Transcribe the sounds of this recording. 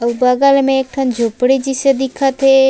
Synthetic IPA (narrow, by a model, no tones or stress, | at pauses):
ɐʋbaɡalmẽːk̚ʈ̪ʰɐnd͡ʒʱopɽid͡ʒised̪ikʰat̪ʰe